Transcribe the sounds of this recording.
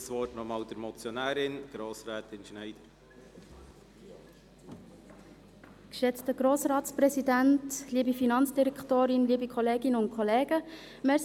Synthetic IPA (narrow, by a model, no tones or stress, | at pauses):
sʋɔtnɔmɑːld̥̪əɾmɔt͡sjɔnæːɾɪnɡ̥ɾoːsɾɛːt̪ɪnʃnæɪd̪̥əɾ | kʃɛt͡stəɡ̥ɾoːsɾɑːtspɾɛsidæntliːbifinɑnt͡sd̥iɾɛkʰtoːɾɪnliːbikʰɔleːɡɪnəʊntkʰχɔleːɡ̥ə | mɛ